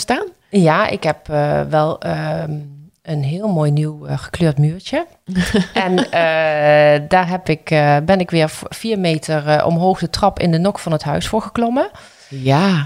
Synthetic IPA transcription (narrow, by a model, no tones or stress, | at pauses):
staːn | jaːʔɪ̰kɦɛpʋɛlˠə | ənɦɪːlˠmoːjniwχə̥kløːɹtmyːɹt͡ʃə | ɛnə | daːɹɦɛpɪkbɛnɪkʋɪːɹfiːɹmejtəɹʔɔ̰mɦowxdətrɑpɪ̰ndənɔkfɑnɦətɦœɥsfʊːɹɣəklɔmə | ja